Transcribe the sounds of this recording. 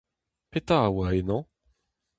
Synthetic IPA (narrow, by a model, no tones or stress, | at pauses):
pet̪awaenɔ̃